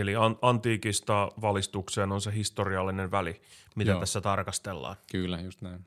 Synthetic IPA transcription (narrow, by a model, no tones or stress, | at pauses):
eliɑnɑnt̪iːkist̪ɑʋɑlist̪ukseːnonseɦist̪oriɑlːineʋʋæli | mit̪ætæsːæt̪ɑrkɑst̪elːɑ̰ːnkyˑlːæjust̪næin